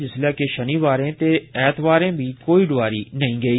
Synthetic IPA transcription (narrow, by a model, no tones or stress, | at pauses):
d͡ʒɪslɛːkeʃəniːʋaːɾẽːt̪eːɛːt̪ʰʋaːɾẽːbʱiːkoːiːɖʊaːɾiːnəɦĩːɡəiː